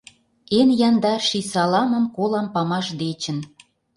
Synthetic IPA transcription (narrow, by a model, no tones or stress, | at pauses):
enjɑnd̪ɑrʃisɑlɑmə̆mkolɑmpɑmɑʃd̪et͡ɕə̆n